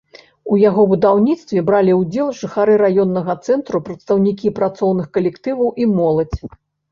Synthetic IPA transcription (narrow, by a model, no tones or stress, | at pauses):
ujaɣɔbud̪awnʲit̪st̪vʲɛbɾalʲiwd͡zʲɛlˠʐɨxaɾɨɾajɔnːɐɣɐt̪sɛnt̪ɾupɾɐt̪st̪ɐwnʲik̬ʲipɾat̪sɔwnɨxkɐlʲɛkt̪ɨvɐwʔimɔlˠɐt͡sʲ